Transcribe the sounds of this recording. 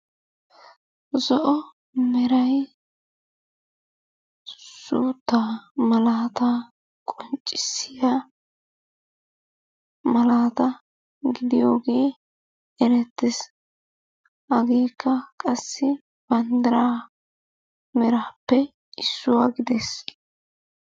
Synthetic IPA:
zɔʔɔ | mɛɾɐj | suːt̪ːaːmɐlaːt̪ɐ | kʼɔnt͡ʃʼːɪsːɪja | mɐlaːt̪ɐ | ɡɪd̪ɪjo̞ːɡe̞ː | ɛɾɛt̪ːɪs | ɐɡe̞ːkːɐkʼɐsːɪ | b̥ɐnd̪ɐɾaː | mɛɾaːpːɛ | ɪsːʊwaɡɪd̪ɛs

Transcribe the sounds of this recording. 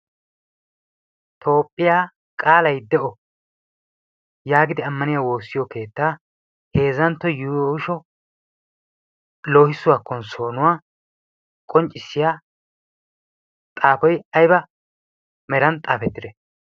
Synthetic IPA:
t̪ʰo̞ːpʼːɪjaː | kʼaːlɐjd̪ɛʔɔ | jaːɡɪd̪ɪɐmːɐnɪjaːwo̞ːsːɪjɔke̞ːt̪ːaː | he̞ːzɐnt̪ːɔjuːjɔʃɔ | lo̞ːhɪsʊwaːkːɔnso̞ːnʊwaː | kʼɔnt͡ʃʼːɪsːɪjaː | t̪ʼaːpɔjɐjbɐ | mɛɾɐnt̪ʼaːfɛt̪ːɪd̪ɛ

